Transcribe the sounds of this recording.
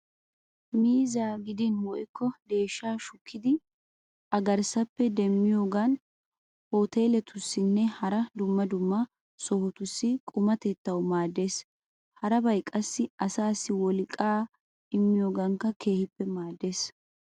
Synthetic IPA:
miːzaːɡɪd̪ɪnwɔʔɪkːɔd̪e̞ːʃːaːʃʊkːɪd̪ɪ | ʔɐɡɐɾsɐpːɛd̪ɛmːɪjo̞ːɡɐn | hoːt̪e̞ːlɛt̪ʊsːɪnːɛhɐɾɐd̪ʊmːɐd̪ʊmːɐ | sɔhʊt̪ʊsːɪkʼʊmɐt̪ɛt̪ːɐwmaːd̪ːe̞ːs | hɐɾɐbɐjkʼːɐsːɪɐsaːsːɪwɔlɪkʼːaː | ɪmːɪjo̞ːɡɐŋkːɐkʰe̞ːhɪpːɛmaːd̪e̞ːs

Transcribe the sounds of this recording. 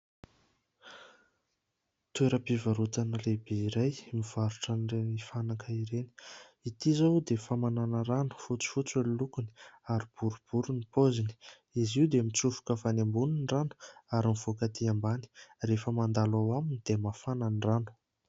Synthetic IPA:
t̪ueɾəpivaɾut̪anəlebeiɾajmiv̥aɾuʈ͡ʂənrenifanakəiɾeni̥ | it̪izawd̪efamananəɾanu̥fut͡si̥fut͡selilukuni̥aɾib̥uɾub̥uɾunipozini̥ | iziwd̪emit͡sufu̥kəfanembuninranu̥aɾimiv̥okat̪iambani̥refəmand̪alawaminid̪̥emafananranu̥

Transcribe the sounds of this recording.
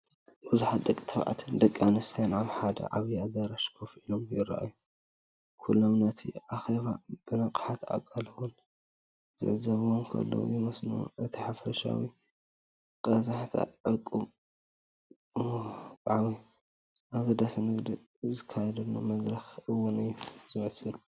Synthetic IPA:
bɨzuħat̪̚d̪ɐkʼːi̥t̪ʰɐβʕa̰t̪ʰd̪ɐkʼːanɨst̪ʰanʕaβħad̪ɐ̰ʕaβjiad̪aɾaʃkʰofilomjɪra̰ʔa̰jːu | kʰulːomnɐt̪ʰḭʔaxeβab̥ɨnɐkʼħat̪ʰa̰kʼːɐlɐwun | z̥ɨ̰ʕzɐβomkʰɐ̰lːo̰jɪmɐsnṵʔɨt̪ʰiħafɐʃa̰wi | kʼɐzaħt̪ʰa̰ʕɨkʼːum | bʼaʕwi | ʔaɡɐd̪asnɨɡd̪i | zɨkʰːajɛd̪ɐnːamɐzɾɐxɨwːʊnɨjːuzɨmɐsɨlu

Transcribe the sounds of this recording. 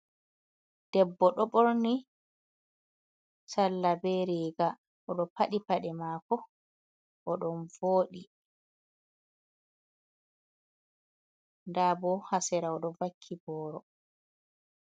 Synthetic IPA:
d̥ɛbːɔɗɔɓoɾni | salːabɛɾiɡa | ʔɔɗɔpaɗipaɗɛmaːkɔ | ʔɔɗɔnvoːɗi | ndabɔhasɛɾaɔɗɔvakʰːibɔːɾɔ

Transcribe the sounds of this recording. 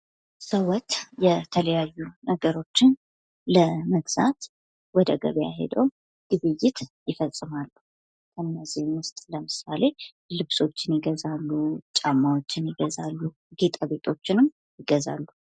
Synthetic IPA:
səwɔt̪jɛt̪ʰələjajːunəɡəɾo̞t͡ʃːɪn | ləməɡz̥a̰t̪ | wɔd̪əɡə̰βəja̰ɦḛd̪əwm | ɡ̥ɨβɨjːɪt̪jɪfəsʼːɨmalːu | kʰənːəzihmʊst̪ʼləmɨsale̞ | lɨβso̞t͡ʃːɪnjɪɡəzalːut͡ʃʼamːawo̞t͡ʃːɪnjɪɡəzalːu | ɡ̥e̞t̪ʼaβe̞t̪ʼo̞t͡ʃːɪnɨm | jɪɡəza̰lːu

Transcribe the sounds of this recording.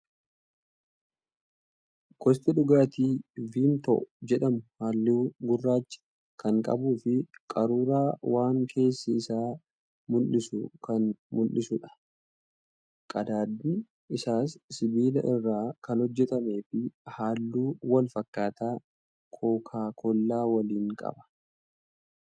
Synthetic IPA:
kɔst̪ʼɪᶑʊɡaːt̪iːviːmt̪ɔ̰ʔʊd͡ʒɛᶑɐmʊhaːlːɪɡʊrːaːt͡ʃːɪ̥ | kɐŋkʼɐ̰buːfɪkʼɐɾuːɾaːwaːŋkʰe̞ːsːɐɪsaː | mʊlːɪsʊ̰kɐnmʊlːɪsʊᶑɐ̥ | kʼɐd̪aːd̪ːi | ʔɪsaːsːɪbiːlɐʔɪrːaːkɐnhɔd͡ʒːɛt̪ɐme̞ːfɪhaːlːuːwɐlfɐkːaːt̪aː | kʰoːkʰaːkʰɔlːaːwɐliːŋkʼɐ̰bɐ̥

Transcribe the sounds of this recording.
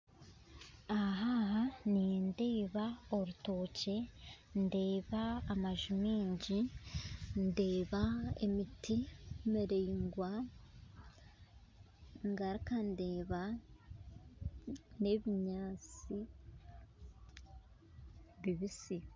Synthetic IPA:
aɦaɦaninde̞ːβaoɾuto̞ːce̞ | nde̞ːβaːmaʒumiːɲɟi | nde̞ːβaḛmitʰimiɾeiŋɡwa | ŋɡaɾikandeːβa | ne̞βiɲaːt͡si | βiβisi

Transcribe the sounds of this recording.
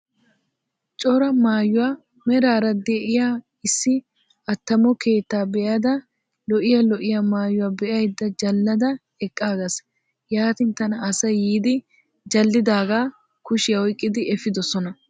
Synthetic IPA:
t͡ʃʼɔɾɐmaːjʊwaː | mɛɾaːɾɐd̪eʔɪjaː | ɪsːɪ | ɐt̪ːɐmɔke̞ːt̪ːaːbɛʔɐd̪ɐ | lɔʔɪjalɔʔɪjamaːjʊwaːbɛʔɐjd̪ːɐd͡ʒɐlːɐd̪ɐ | ɛkʼːaːɡɐs | jaːt̪ɪnt̪ɐnɐːsɐjiːd̪ɪ | d͡ʒɐlːɪd̪aːɡaː | kʊʃɪjɐwɔjkʼːɪd̪ɪɛfɪd̪ɔsɔnɐ

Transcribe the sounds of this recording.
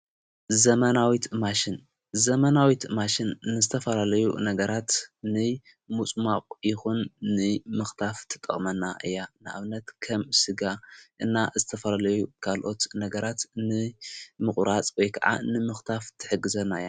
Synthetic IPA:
zɐmɐnawit̪maʃin | zɐmɐnawit̪maʃinːɨzɨt̪ʰɐfɐlalɐjṵnɐɡɐɾat̪nɨ | mut͡sʼmaqʼjɪxunːɨmɨxt̪ʰaft̪ʰɨ̥t̪ʼːɐ̰χʼmɐnːaʔɨjːanɨʔa̰βnɐt̪kʰɐmsɨɡaʔɨnːazɨt̪ʰɐfɐlalɐjukʰalʔo̞t̪nɐɡɐɾat̪nɨmɨχʼɾat͡sʼwojkʰɐ̰ʕa̰nɨmɨxt̪ʰaft̪ʰɨ̥ħɨɡɨzɐnːaja

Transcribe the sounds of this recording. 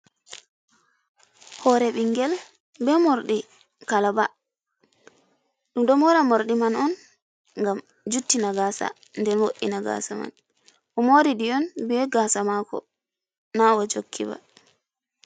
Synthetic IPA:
hɔɾɛɓiŋɡɛl | bɛmoɾɗi | kalaba | ɗumɗɔmɔɾamoɾɗimanɔn | ŋɡam | d͡ʒutːinaɡaːsa̰ | ndɛnwoʔːḭnaɡa̰ːsama̰n | ʔɔmoɾiɗiɔnbɛɡaːsamakɔ̰ | nawad͡ʒokʰːiba̰

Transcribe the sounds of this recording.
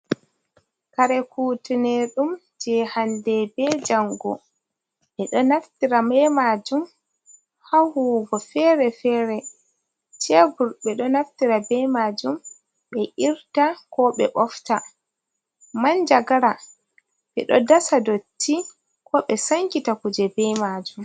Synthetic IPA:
kaɾɛkuːtunɛɗum | d͡ʒɛhandɛbɛd͡ʒaŋɡɔ̰ | ɓɛɗɔnaftiɾamɛmad͡ʒum | hahuːɡɔfɛɾɛfɛːɾɛ | t͡ʃɛbuɾɓɛɗɔnaftiɾabɛmad͡ʒum | ɓɛʔiɾtakɔɓɛ̰ʔɔfta | mand͡ʒaɡaɾa | ɓɛ̰ɗɔ̰dasadotːi | kɔɓɛsaŋkitakud͡ʒɛbɛmad͡ʒum

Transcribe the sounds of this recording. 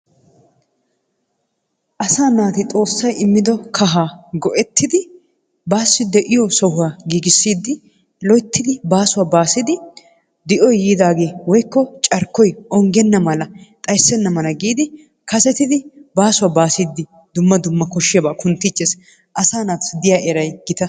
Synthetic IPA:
ʔɐsaːnaːt̪ɪt̪ʼo̞ːsːɐjɪmːɪd̪ɔkʰɐɦaːɡɔʔɛt̪ʰːɪd̪ɪ | baːsːɪd̪ɛʔɪjɔsɔhʊwaːɡiːɡɪsːiːd̪ɪ | lɔjt̪ːɪd̪ɪbaːsʊwaːbaːsɪd̪ɪ | d̪ɪʔɔjjiːd̪aːɡe̞ːwɔjkːɔt͡ʃʼɐɾkːɔjɔŋɡɛnːɐmɐlɐt̪ʼɐjsːɛnːɐmɐlɐɡiːd̪ɪ | kɐsɛt̪ɪd̪ɪbaːsʊwaːbaːsiːd̪ːɪ | d̪ʊmːɐd̪ʊmːɐkɔʃːɪjɐbaːkʊnt̪ːɪt͡ʃːeːs | ʔɐsaːnaːt̪d̪ɪjaːʔɛɾɐjɡ̥ɪt̪ɐ

